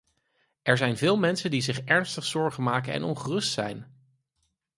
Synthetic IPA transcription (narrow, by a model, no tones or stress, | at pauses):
ɛɹzɛjnvɪːlˠmɛnsəndizɪχɛɹnstəχsɔɹχəmaːkənɛ̰nɔnχərɵstsɛ̰jn